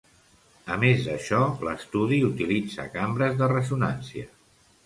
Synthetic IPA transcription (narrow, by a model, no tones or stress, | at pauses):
əmezd̪əʃɔləst̪uðiut̪ilid͡zə̰kambɾəzðərəzunansiə